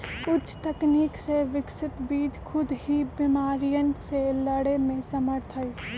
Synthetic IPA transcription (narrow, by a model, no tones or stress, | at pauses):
ʊtt͡ʃːt̪ɐkniːkseʋɪksɪt̪biːd͡ʒkʰʊd̪ɦibɪmaːɾijənselɐɽemẽsɐməɾt̪ʰəi